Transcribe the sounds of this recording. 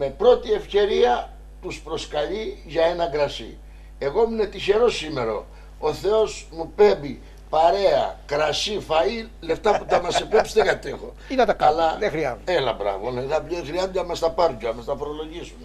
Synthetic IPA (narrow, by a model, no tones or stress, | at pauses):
me̞pɾo̞t̪ie̞fce̞ɾiɐ | t̪uspɾo̞skɐʎiʝɐe̞nɐɡɾɐsḭ | e̞ɣo̞mune̞t̪içe̞ɾo̞sime̞ɾo̞̰ | oθe̞osmupe̞mbi | pɐɾe̞ɐ̰kɾɐsifɐile̞ft̪ɐput̪ɐmɐsepo̞psi̥t̪eɡɐt̪exo̞̰ | inɐt̪ɐɐlɐexɾiɐ̰zelɐ̰bɾɐ̰voneðɐploexɾiɐzund̪emɐst̪ɐpɐɾɟoɐmɐst̪ɐfoɾolo̞ʝisune